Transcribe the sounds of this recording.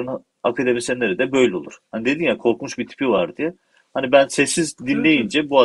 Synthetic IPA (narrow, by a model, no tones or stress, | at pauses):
ɾɯn | akʰad̪emisɛnːeɾid̪ɛbø̞jlʲɛo̞lˠuɾ̥hanid̪e̞d̪injakʰo̞ɾkmuʃbit̪ʰi̥pʰiolˠaɾd̪ijɛ | hanibænsɛsːizd̪inlʲe̞jind͡ʒɛbua